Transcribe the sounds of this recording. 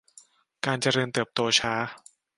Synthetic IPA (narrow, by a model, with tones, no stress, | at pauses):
kaː˧nt͡ɕa˨ɾɤː˧nt̪ɯː˨˩p̚t̪oː˧t͡ɕʰaː˦˥